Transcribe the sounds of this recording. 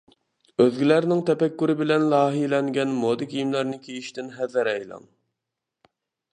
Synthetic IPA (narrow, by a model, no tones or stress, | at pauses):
øðɡʲilæɾnɪŋt̪ʰɛpɛkʲːyɾɪbɪlɛnlˠɑːɦijlɛŋɡʲɛnmod̪ɪkʲijimlæɾnɪkʲʰejiʃt̪ɪnɦɛðɪɾɛjlˠɑ̰ŋ